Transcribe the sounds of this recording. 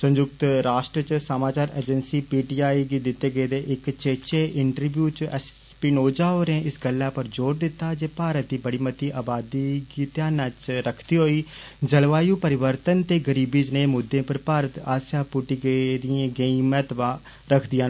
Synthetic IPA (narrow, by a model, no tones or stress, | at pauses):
sə̃ɲd͡ʒʊk̚t̪ɾaːʃʈɾət͡ʃsəmãːt͡ʃaːɾḛːd͡ʒənsiːpiːʈiːaːiːɡiːd̪ɪt̪ːeːɡəeːd̪eːʔɪkt͡ʃeːt͡ʃeːʔɪɳʈəɾʋjuːt͡ʃɛs | pɪnoːd͡ʒaːɦoːɾẽːʔɪsɡəlːaːpəɾd͡ʒoːɾd̪ɪt̪ːaːd͡ʒeːpaːɾət̪̚d̪iːbəɽiːmət̪iːʔaːbaːd̪iːɡiːt̪jaːnaːt͡ʃɾəkʰt̪iːɦoːiː | d͡ʒəlʋaːjuːpəɾɪʋəɾt̪ənt̪eːɡəɾiːbiːd͡ʒnẽːmʊd̪ːẽːpəɾpaːɾət̪aːsjaːpʊʈiːɡed̪ɪãːɡeĩmɛːt̪bãː | ɾəkʰd̪ɪjãː